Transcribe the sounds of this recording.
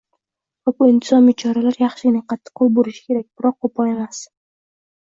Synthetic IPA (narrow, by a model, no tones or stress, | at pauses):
vabuɪnt̪ʰɪzɒmit͡ʃʰɒɾalaɾjɑχʃɪɪnɪqʰɑt̪ʰːɨ̥qʰːolˠboɾɪʃɪ̥kʲʰe̞ɾak̚ʲbɪɾɒqʰːopʰɒe̞mas